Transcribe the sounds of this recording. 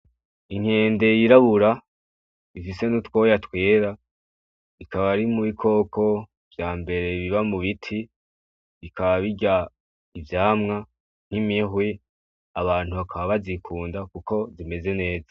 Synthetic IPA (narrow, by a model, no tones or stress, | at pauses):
iŋ̥he̞ːnde̞jiɾaβuɾa | ifise̞nutwo̞jatwe̞ːɾa | ikʰaβaɾimuβikʰo̞ːkʰo̞ | v̥jaːmbe̞ɾe̞βiβamuβitʰi | βikʰaβaβiɟa | ivjaːmŋa | n̥imiɦwe | aβaːn̥huβakʰaβaβazikʰuːndakuko̞zime̞ze̞ne̞ːzḁ